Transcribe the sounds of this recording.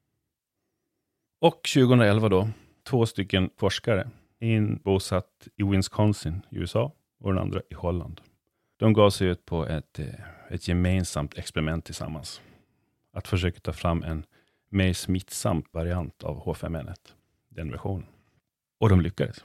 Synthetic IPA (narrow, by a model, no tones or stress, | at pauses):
ɔkɕʉ̟ːɡəhɵnɾaɛlvad̪ɔ | t̪ʰvoːst̪ʏkːənfɔʂkaɾə | ɛnbuːsat̪ɪwɪnskʰɔnsɪnɪʉ̰ːɛsɑː | ɔd̪ɛna̰nd̪ɾaʔɪhɔlːa̰nd̪̥ | d̪̥ɔmɡɑːvsɛjʉ̟ːt̪̚pʰɔʔɛt̪ɛt̪ʰjɛmeːnsamt̪ʰɛkspɛɾɪmɛnt̪ʰːɪlsa̰mːa̰ns | at̪fœʂøːkḁt̪ʰɑːfɾamːʔɛn | mɛjsmɪt̪sa̰mt̪vaɾɪant̪ʰa̰vhoːfɛ̰mɛnːət̪ | d̪ɛnvæ̰ɾɧuːnən | ɔd̪ɔmlʏkːad̪əs